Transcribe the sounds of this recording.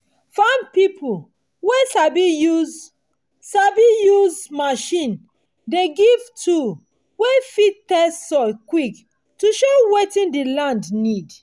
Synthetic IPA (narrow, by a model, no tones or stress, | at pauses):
fãn̚pipʰu | wesabijuz | sabijuzmaʃĩn | deɡivtʰu | wefitɛssɔkwik | tuʃowetĩndilãndnid